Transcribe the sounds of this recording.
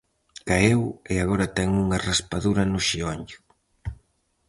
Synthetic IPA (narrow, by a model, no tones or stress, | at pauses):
kaeweaɣoɾɐt̪ɛŋuŋaraspaðuɾɐnʊʃioɲʊ̥